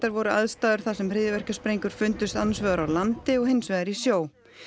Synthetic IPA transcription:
t̪aɾvɔɾʏaðst̪aːðʏɾ̥θaðsɛmr̥ɪðjɪvɛr̥caspɾejŋkʏɾ̥fʏnt̪ʏst̪anasvœɣʏɾawlant̪ɪɔɣhejnsvɛðaɾisjoːw

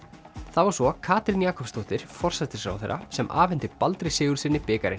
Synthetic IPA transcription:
θavaɾ̥sɔkʰaːt̪ɾɪnjaːkʰɔpst̪ʰoht̪ɪɾ̥fɔr̥sɛt̪ɪsɾa̰wθḛjɾa̰sɛmʔa̰ːvɛnt̪ɪpalt̪ɾɪsɪːɣʏɾ̥sɪnːɪpɪːkaɾɪ̰n

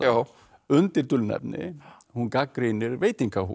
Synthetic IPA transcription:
a | ʏnt̪ɪɾt̪ʏlnɛ̰pnɪ̰ | hunkakːɾenɪɾvejt̪iŋkʰa

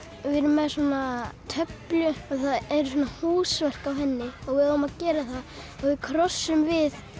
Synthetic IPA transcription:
vɪɾʏmːɛðswaːnat̪ʰœpljʏaðθaðɛɾsvɔːnahuːsvɛr̥kawɦɛnːɪɔɣvɪðaɔmaðcɛːɾaθa | ɔɣvɪðkʰɾɔsːʏmvɪð

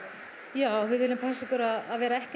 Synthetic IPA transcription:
jaːwvɪðvɪlɪmpʰɛsɪkɔɾaðaðvɛːɾaɛhc

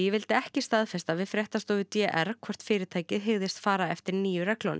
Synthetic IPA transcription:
jɛvɪlt̪ɪɛhcɪst̪aðfɛst̪avɪðfɾjɛht̪ast̪oːvɪt̪jɛʔɛɾkʰvɔr̥t̪fɪːɾɪt̪ʰaːjcɪðɦɪɣðɪst̪faːɾaɛft̪ɪɾniːjʏɾrɛklɔnɪ̰

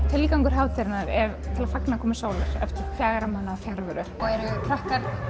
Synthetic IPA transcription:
t̪ʰɪlkawŋkʏɾ̥ɦaːvt̪ʰeɾɪnaɾɛɾt̪ʰɪlafaknakʰɔːmɪsoːwlaɾ̥ɛ̰ft̪ɪɾfjaːɣaɾamanːaːfjaɾvʏɾʏɔɣɛɾʏkʰɾahk̪aɾ

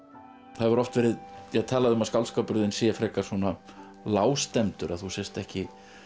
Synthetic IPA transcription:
θaðvaɾɔft̪vɛːɾɪðjɛɣt̪ʰaːlaðʏʏmaðskawlskapʏɾðɪnsɛfɾɛːkasɔna | laːwst̪ɛmt̪ʏɾaðθusɛst̪ɛhcɪ

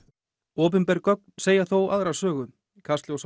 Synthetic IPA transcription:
ɔːp̬ʏnpɛɾkœk̚nseːjaθowaðɾḁsœːɣʏm | kʰast̪lɪɔs

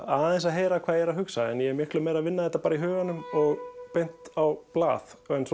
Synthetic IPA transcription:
aðɛns̬aðɦeːjɾakʰvaːðjɛɾaðɦʏksaɛnjɛɛɾmjɪhklʏmejɾaðvɪnːaðɛht̪ːapaːɾaiɦœːɣanːʏmɔɣpejn̥t̪awpla̰ːθɛns

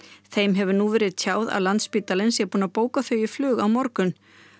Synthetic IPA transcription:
θejmɦɛvʏnuvɛːɾɪðt̪ʰjaːwða̰ðlant̪spiːt̪alɪnsjɛpuːnapoːwkaθœɥjɪflʏːɣawmɔɾkʏn

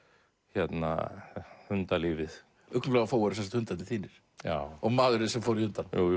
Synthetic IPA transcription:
çɛt̪na̰hʏnt̪aliːvɪθ | ʏhknʏmflɛɣafoːwɛɾsɛnsat̪hʏnt̪at̪ɪθʰiːnɪɾ̥ | jaɔɣmaːɣɾɪsɛmfoːwɾihʏnt̪anju

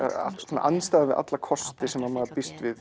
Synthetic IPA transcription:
a̰ɛnːa̰ʔanst̪aːðavɪðʔa̰t̪lakʰɔst̪ɪsɛmaɾmaːðpist̪vɪð

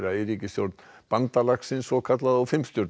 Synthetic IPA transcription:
ɾaɪɾiːcɪsjoɾt̪nb̥ant̪alaksɪnsɔkʰat̪laðawfɪmst̪joɾt̪

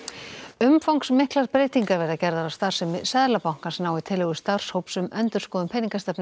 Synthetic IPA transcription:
ʏmfawŋksmɪhklaɾpɾeːjt̪iŋkaɾvɛɾðacɛɾðaɾawst̪ar̥sɛmɪsɛðlapawŋ̥kansnaːwvɪt̪ʰɪlɛɣʏst̪ar̥showpsʏmœnt̪ʏ̥skɔːðʏmpʰɛniŋkast̪ɛpnɪ

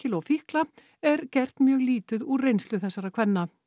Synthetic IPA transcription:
ɪlɔfihkla | ɛɾcɛr̥t̪nmjœːɣliːt̪ʏðurejnst̪lʏθɛsːaɾakʰvɛnːa

